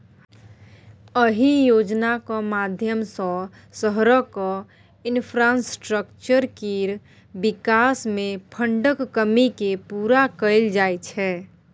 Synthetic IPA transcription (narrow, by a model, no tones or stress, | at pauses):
əɦijoːd͡ʒnakamad̪ʱjəmsə̃ | səɦɾəkɔ | ɪnpʰɾasʈɾəkt͡ʃəɾkiɾ | bɪkasmẽpʰəɳɖəkːəmikepuːɾakəɪld͡ʒajt͡ʃʰɛ